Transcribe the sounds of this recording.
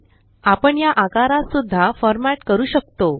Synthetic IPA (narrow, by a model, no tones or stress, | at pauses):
apəɳjaʔakaɾasud̪ʱːafɔɾmaʈkəɾuːɕək̚t̪o